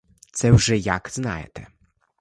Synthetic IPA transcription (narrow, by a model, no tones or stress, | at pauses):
t̪sɛwʐɛjaɡzna̰jɛ̰t̪ɛ